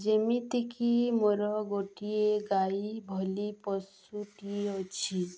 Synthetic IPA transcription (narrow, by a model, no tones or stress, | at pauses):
d͡ʒemit̪ikʰimoɾɔɡoʈieɡaibʱɔlipɔs | uʈieɔt͡ʃʰi